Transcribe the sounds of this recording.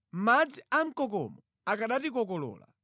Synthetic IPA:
m̩mad͡ziam̩kɔkɔ̰mɔ | akaɗatikɔkɔlɔ̰ːla̰

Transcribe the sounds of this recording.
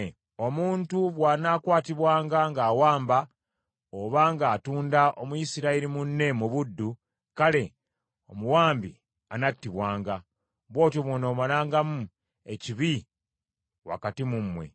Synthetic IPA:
o̞muːntuβwaːnakwaːtiβwaːŋɡaŋɡaːwaːmba | oβaŋɡaːtuːndaʔo̞muisiɾaiɾimunːe̞muβudːu | kale̞ | o̞muwaːmbḭ | a̰natːiβwaːŋɡa | βwo̞ːtjoβwonoːβalaːŋɡamu | e̞ciβi | wa̰katimumwe̞̰

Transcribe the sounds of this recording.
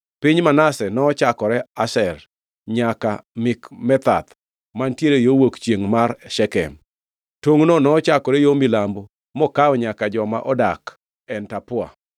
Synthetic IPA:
pɪɲmanasɛnɔːt͡ʃakɔɾɛasɛr | ɲaka̰mɪkmɛt̪a̰t̪ | mantjeɾejowokt͡ʃjeŋmarʃɛkɛ̰m | toŋnonɔːt͡ʃakɔɾɛjomilambo | mɔkaɔɲakad͡ʒɔma̰ʔɔdak | ɛntapʊa̰

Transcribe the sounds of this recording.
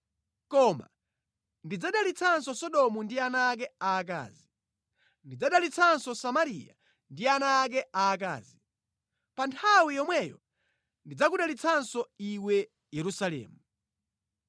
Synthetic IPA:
kɔma̰ | ndid͡zaɗalit͡sʰansɔsɔɗɔmundianaːk̬ɛaːk̬a̰ːzi | ndid͡zaɗalit͡sʰansɔsamaɾija̰ | ndianaːk̬ɛʔak̬a̰ːzi | pantʰawijɔmwɛjɔ | ndid͡zakuɗalit͡sʰansɔiwɛ | jɛɾusalɛ̰ːmu

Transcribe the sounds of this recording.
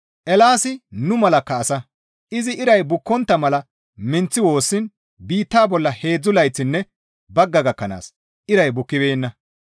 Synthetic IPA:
ʔɛlaːsɪnʊmɐlɐkːɐːsɐ | ʔɪzɪʔɪɾɐjbʊkːɔnt̪ːɐmɐlɐ | mɪnt͡sːɪwo̞ːsːɪn | biːt̪ːaːbɔlːɐhe̞ːd͡zːʊlɐjt͡sːɪnːɛ | bɐɡːɐɡɐkːɐna̰ːs | ʔɪɾɐjbʊkːɪbeːnːɐ

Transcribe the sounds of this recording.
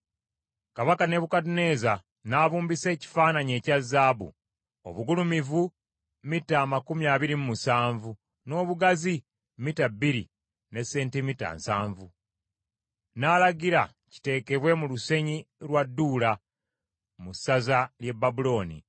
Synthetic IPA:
kaβakane̞βukatune̞ːza | naβuːmbise̞ːci̥faːnaɲe̞ːcazːaːbṵ | o̞̰βuɡulumivu | mitaːmakumiaːβiɾimumusaːɱvu | no̞ːβuɡazi | mitabːiɾḭ | ne̞sːeːntemita̰ːnsaːɱvu | naːlaɡiɾa | ci̥te̞ːke̞βwe̞muluse̞ɲiɾwadːuːla | musːazalje̞bːabulo̞ːnḭ

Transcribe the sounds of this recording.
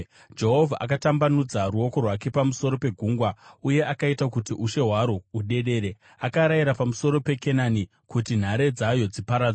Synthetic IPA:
d͡ʒe̞ɦo̞vʱaʔa̰katambanud͡zaruo̞ko̞rwake̞pamuso̞ɾo̞pe̞ɡʱuːŋɡwauje̞ʔakaitakutiʔuʃe̞ɦwaɾouɗe̞ɗe̞ːɾe̞ | akaɾajiɾapamuso̞ɾo̞pe̞ke̞nani | kutin̤aɾe̞d͡zajo̞d͡zipaɾad͡za

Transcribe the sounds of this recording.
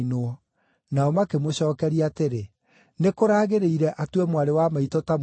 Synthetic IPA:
noɔ | naɔmakemoɕɔːkɛɾiateɾe | nekoɾaːɣeɾeiɾɛʔatwɛmwaɾewamaitɔtam

